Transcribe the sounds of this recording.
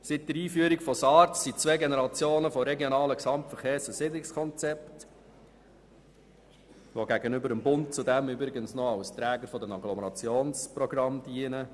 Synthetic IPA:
sɪt̚dəɾiːfyːəɾikfɔsɑːɾtsit͡sʋeːɡenɛɾɑt͡sjoːnəfɔɾɛɡjonɑːləksɑmtfəɾχeːɾsəsɪdlɪkskʰɔnt͡sɛpt | ʋoɡæɡənʏbəɾəmbʊnt̚t͡sudæmʏbɾɪɡənsnɔɑwst̪ɾæːɡəɾfɔdəmɑɡlɔməɾɑt͡sjoːnspɾɔɡrɑmdiənə

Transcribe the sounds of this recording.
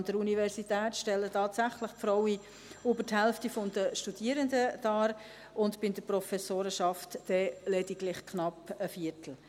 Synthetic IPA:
nd̥əɾunivɛɾsitɛːtʃtɛlːətʰɑːtsæχləχtfɾɔwi | ybəɾthɛlftifɔndəʃtud̥iəɾəndəd̥ɑːɾ | ʊndbɪnd̥əprɔfɛsoːɾəʃɑftːɛlɛdiɡlɪχkʰnɑpəfiːɾtʰl̩

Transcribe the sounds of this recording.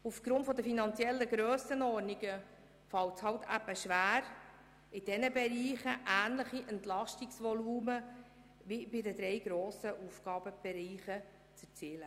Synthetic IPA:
ufɡ̥ɾʊntfɔd̪əfinɑnt͡sjɛlːəɡɾøːsənɔɾniɡə | fɑwtshɑwtæbəʃʋæːɾ | ɪd̥ɛnəbɛɾiːχəʔæːnləχiʔɛnt̪lɑʃtiksʋɔluːmə | vibɪdəd̪ɾɛjɡ̥ɾoːsəʔufɡ̥ɑːb̥əb̥ɛɾiːχə | t͡sət͡siːlə

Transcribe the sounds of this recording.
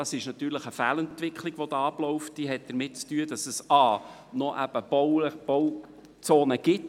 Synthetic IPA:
d̥ɑsɪʃnɑt̪yːɾləχəfæːlɛnt̪ʋɪkχliɡ̥ʋɔd̥̪ɑɑblɔʊft̚d̥iɦɛt̚d̪̥əɾmɪt̚t͡styəd̥ɑsəsɑː | nɔʔæb̥əb̥oʊb̥ɔw | t͡soːnəɡ̥ɪt

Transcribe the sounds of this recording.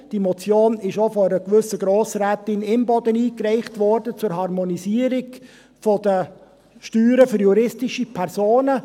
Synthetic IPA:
d̥imɔt͡sjoːnɪʃofɔəɾəkʋʏsəɡɾoːsɾætɪnɪmbɔdəniːkrɛɪχtʋɔɾd̥ət͡sʊɾɦɑɾmɔniziːəɾɪɡ | fɔdə | ʃtyːɾəfʏɾjuɾɪstɪʃipʰɛɾzoːnə

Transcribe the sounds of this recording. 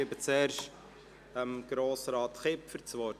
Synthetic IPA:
ɪbət͡seːɾʃ | əmɡ̥ɾoːsɾɑːt̪χɪpfəɾt͡sʋɔ

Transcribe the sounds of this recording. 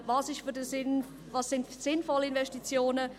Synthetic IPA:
vɑːsɪʃfydəsɪn | vɑsɪntsɪnfɔləɪnvɛstit͡sjoːnə

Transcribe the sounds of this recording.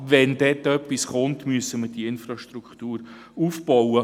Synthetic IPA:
vɛndɛːtœpːisχʊntmyəsəməd̥iɪnfrɑʃtrukχtuːɾ | uːfb̥ɔwə

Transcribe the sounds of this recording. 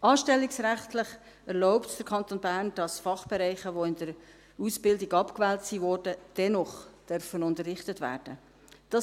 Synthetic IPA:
ɑːʃtɛlːiksɾæχtləχ | ɛɾlɔʊptd̥əɾkʰɑnt̪oːnbæːɾnd̥ɑsfɑχb̥ɛɾɛɪχəʋoɪnd̥əɾ | usb̥ɪldiɡɑpkvɛːltsiʋɔːrdəd̥ɛnɔχd̥œrfənʊntərːɪχtətvæ̰ːɾd̥ə | d̥ɑ

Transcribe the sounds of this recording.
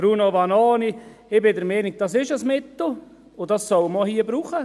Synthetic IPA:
b̥ɾuːnoʋɑnoːniɪbɪdəɾmɛnɪɡ̚d̥ɑsɪʃəsmɪt̪l̩ | ʊdɑssɔwmɔhiːəbɾuːχə

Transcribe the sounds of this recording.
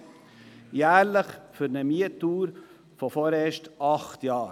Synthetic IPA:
jæːɾləχfyɾnəmiətːuːɾ | fɔfoɾeːʃtɑχt̪jɑːɾ

